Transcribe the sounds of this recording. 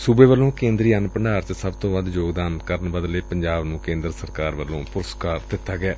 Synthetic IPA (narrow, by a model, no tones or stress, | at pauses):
subeːʋəlːõːkẽːnd̪ɾiːənpəɳɖaːɾt͡ʃsəbt̪õːʋəd̪joːɡd̪aːnkəɾənbəd̪leːpəɲd͡ʒaːbnũːkẽːnd̪əɾsəɾkaːɾʋəlːõːpʊɾəskaːɾd̪ɪt̪ːaːɡɛː